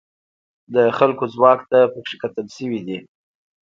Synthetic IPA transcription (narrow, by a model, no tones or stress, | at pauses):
d̪əxalkozwɑkt̪apəkʂekat̪əlʃəwid̪i